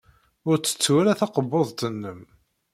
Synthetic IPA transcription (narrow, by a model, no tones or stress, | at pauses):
ʊɾt͡sːə̥t͡sːwælæθɑqəbːoðˤt̪ənːəm